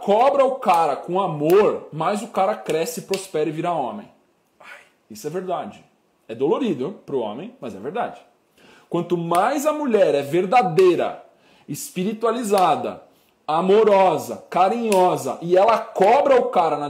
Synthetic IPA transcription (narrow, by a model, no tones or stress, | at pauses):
kɔbɾɐʊkaɾɐkõamoɾmajzʊkaɾɐkɾɛsɪpɾospɛɾɪviɾaõmẽj̃ | aj | isʊɛveɾd̪ad͡ʒɪ | ɛd̪oloɾid̪ʊpɾʊõ̰mẽj̃mɐzɛ̰veɾd̪a̰d͡ʒɪ | kwɐ̃nt̪ʊmajzɐmuʎɛɾɛveɾd̪ad̪ejɾɐ̰ | ɪspiɾit̪ualizad̪ɐ̰ | amoɾɔzɐ̰kaɾĩɲɔzɐʔɪɛlɐkɔbɾɐʊkaɾɐnɐ